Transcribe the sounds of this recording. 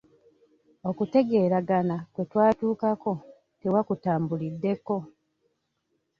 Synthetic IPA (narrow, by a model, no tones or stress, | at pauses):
o̞kute̞ɡe̞ːɾaɡanakwe̞twaːtuːkako̞ | tewakutaːmbulidːe̞ko̞